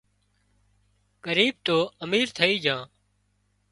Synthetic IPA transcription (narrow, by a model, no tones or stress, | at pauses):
kəɾiːb̚t̪oːəmiːɾt̪ʰəiːd͡ʒãː